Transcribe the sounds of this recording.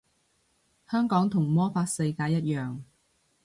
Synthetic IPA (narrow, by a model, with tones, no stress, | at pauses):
hœː˥ŋkɔː˨˥ŋt̪ʰʊ˨˩ŋmɔː˥faː˧t̚se˧jkaː˨˧˥jːɐ˥t̚jœː˨ŋ